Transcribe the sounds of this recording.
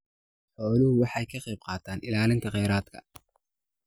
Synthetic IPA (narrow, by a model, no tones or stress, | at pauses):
ħɔːlʊhʊwɑħɑjkʰɐqɛjb̚qɑːt̪ʰaːnɪlaːlɪnt̪ʰɐqɛjɾaːd̪kʰɐ̰